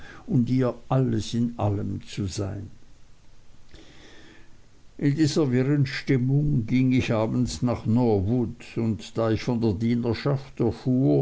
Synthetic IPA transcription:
ʔʊndiːɐʔaləsɪnʔa̰ləmt͡suzaɪn | ʔɪndiːzɐvɪʁənʃtɪmʊŋɡɪŋɪçaːbn̩snaːχnɔvʊtʊntd̥aːɪçfɔndeːɐdiːnɐʃaftɛɐfuːɐ

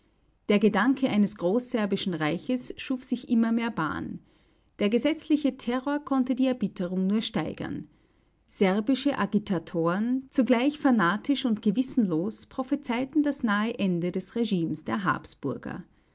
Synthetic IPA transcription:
d̥eːɐɡədaŋkʰəʔaɪnəsɡ̥ʁoːsz̥ɛɐbɪʃn̩ʁaɪçəsʃuːfz̥ɪçʔɪmɐmeːɐba̰ːn | d̥eːɐɡəzɛt͡slɪçətʰɛʁoːɐkʰɔntədiːɛɐbɪtʰəʁ̞ʊŋnuːɐʃtaɪɡ̥ɐ̰n | z̥ɛɐbɪʃəʔaɡitʰatʰoːʁənt͡suɡlaɪçfanaːtʰɪʃʊntɡ̥əvɪsn̩loːspʁ̥ofit͡saɪtn̩dasnaːəʔɛndədɛsʁeʒiːmsd̥eːɐɦa̰ːpsb̥ʊɐɡɐ̰

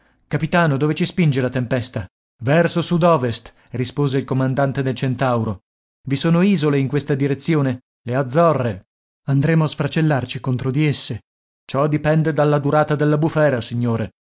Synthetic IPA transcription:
kapit̪aːnod̪oːvet͡ʃispind͡ʒelat̪empɛst̪a | vɛrsosud̪ɔːvest̪ | rispoːzeilkomand̪ant̪ed̪elt͡ʃent̪awɾo | visoːnoiːzoleiŋkwest̪ad̪iɾet̪sːjoːne | lead̪zːɔrːe | and̪ɾeːmoasfɾat͡ʃelːart͡ʃikont̪ɾod̪iesːe | t͡ʃɔd̪ipɛnd̪ed̪alːad̪uɾaːt̪ad̪elːabufɛːɾasiɲːoːɾe

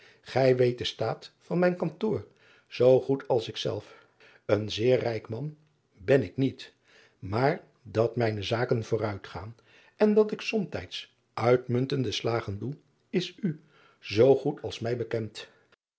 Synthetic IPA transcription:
χɛjʋejt̚dəstaːtfɑnmɛjnkɑntʊːɹ | z̥owχutʰɑlˠsɪksɛ̰lˠf | ənzɪːɹrɛjkmɑn | bɛnɪknit | maːɹ | dɑtmɛjnəzaːkənv̥ʊːrœɥtχa̰ːn | ɛndɑtɪksɔmtɛ̰jts | ʔœɥtmɵntəndəslaːχəndu | ɪsy | zowχutʰɑlˠsmɛjbəkɛnt

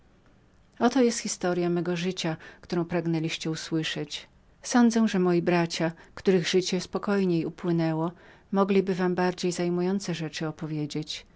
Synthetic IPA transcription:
ɔt̪ɔjɛst̪xʲist̪ɔɾjãmɛɡɔʐɘt͡ɕakt̪uɾɔ̃w̃pɾaɡnɛlʲiɕt͡ɕɛuswɘʂɛt͡ɕ | sɔnd̪zɛʐɛmɔjibɾat͡ɕakt̪uɾɘɣʐɘt͡ɕɛspɔkɔjɲejupwɘnɛwɔ | mɔɡlʲibɘvambaɾd͡ʑejzajmujɔnt̪sɛʐɛt͡ʂɘɔpɔvʲjed͡ʑet͡ɕ

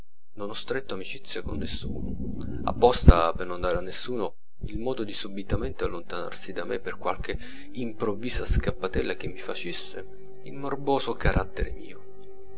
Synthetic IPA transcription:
nonɔst̪ɾet̪ːoamit͡ʃit̪sːjakonːesːṵːno̰ | a̰pːɔst̪apernond̪aːɾeanːesːuːno | ilmɔːd̪od̪isubit̪ament̪ealːont̪ana̰rsid̪amḛpːerkwa̰lk̟e | impɾovːiːzaskapːat̪ɛlːak̟emːifat͡ʃesːḛ | ilmorboːzokaɾʔat̪ːeɾḛmḭːo

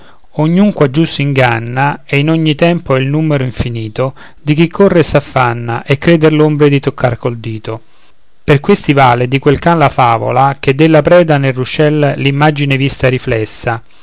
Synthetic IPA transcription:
oɲːuŋkwad͡ʒːusiŋɡanːaɛinoɲːit̪ɛmpoilnumeɾoiɱfiniːt̪o | d̪ik̟ikʰːorːesafːanːa̰ʔekːɾeːd̪erlombɾed̪it̪okʰːarkold̪iːt̪o | perkwest̪ivaːled̪ikwelkanlafaːvo̰lak̟ed̪ːelːapɾɛːd̪anerːut͡ʃɛllimːad͡ʒinevist̪aɾiflɛsːa

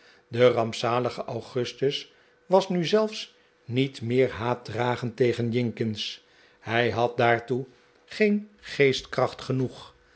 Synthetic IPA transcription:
dərɑmpsaːləχəʔawχɵstəs | ʋɑsnyzɛlˠfs | nitmɪːɹɦaːt̚draːχəntejχənjɪŋkɪns | hɛjɦɑt̚daːɹtu | χejnχejstkrɑχtχənuχ

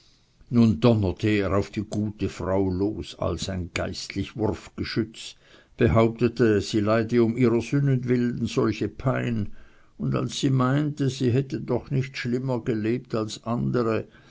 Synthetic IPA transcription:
nundɔnətʰəeːʁaʊfd̥iːɡuːtəfʁaʊloːsa̰lsaɪnɡ̥aɪstlɪçvʊrfɡ̥əʃʏt͡s | b̥əɦaʊp̚tətəz̥iːlaɪdəʊmiːʁəzʏnənvɪln̩z̥ɔlçəpʰaɪn | ʊnda̰lsːiːmaɪntəziːɦɛtədɔχnɪçtʃlɪməɡəleːp̚talsʔandəʁə

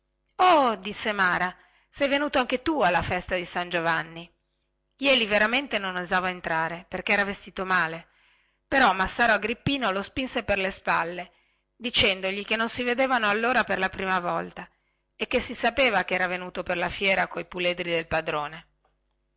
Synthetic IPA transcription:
ɔd̪isːemaːɾa | sɛjvenuːt̪oaŋk̟et̪ualːafɛst̪ad̪isand͡ʒovanːi | jɛːliveɾament̪enonozaːvaent̪ɾaːɾeperkeɛːɾavest̪iːt̪omaːle | peɾɔmasːaːɾoaɡɾipːiːnolospinseperlespalːe | d̪it͡ʃɛnd̪oʎikenːonsived̪eːvanoalːoːɾaperlapɾiːmavɔlt̪a | ekːesːisapeːvakeɛːɾavenuːt̪operlafjɛːɾakojpuled̪ɾid̪elpad̪ɾoːne

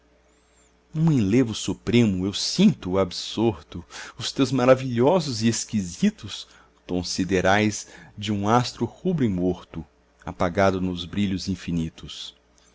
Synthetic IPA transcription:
ũẽlevʊsupɾẽmʊewsĩnt̪ʊabsoɾt̪ʊʊst̪ewzmaɾaviʎɔzʊzieskizit̪ʊs | kõsid̪eɾajzd͡ʒɪũast̪ɾʊhubɾʊimoɾt̪ʊ | a̰paɡad̪ʊnʊzbɾiʎʊzĩfinit̪ʊs

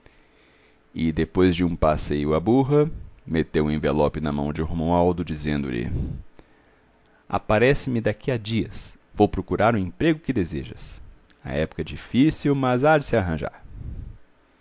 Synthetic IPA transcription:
ɪd̪epojzd͡ʒɪũpasejʊabuɦɐmet̪ewẽvelɔpɪnɐmɐ̃w̃d͡ʒɪuhmɐ̃w̃awd̪ʊd͡ʒizẽnd̪ʊ̰lɪ̰ | a̰paɾɛsɪmɪd̪akiad͡ʒiɐs | vowpɾokuɾaɾʊ̃ẽmpɾeɡʊkɪd̪ezḛʒɐ̰s | ɐ̰ɛpʊ̥kɐɛd͡ʒifisiwmɐzad͡ʒɪsɪaɦɐ̃ʒa̰ɾ

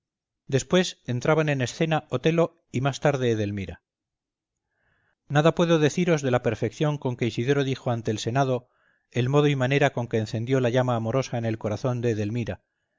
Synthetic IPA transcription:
d̪e̞spwe̞se̞nt̪ɾaβane̞ne̞sθe̞naʔo̞t̪e̞lo̞ | imast̪aɾðe̞ːðe̞lmiɾa | naðapwe̞ðo̞ðe̞θiɾo̞zðe̞lape̞ɾfe̞kθjo̞ŋko̞ŋke̞isiðe̞ɾoðixo̞ant̪e̞ːlse̞naðo̞ | e̞lmo̞ðoimane̞ɾako̞ŋke̞ːnθe̞nd̪jo̞laʝamaːmo̞ɾo̞saene̞lko̞ɾaθo̞nd̪e̞ːðe̞lmiɾa

